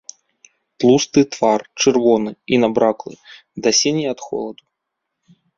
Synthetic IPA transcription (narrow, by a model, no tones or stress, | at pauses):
t̪lˠust̪ɨt̪vart͡ʂɨrvɔnɨinabɾaklˠɨ̰ | d̪ɐsʲinʲiɐt̪xɔ̰lˠɐd̪u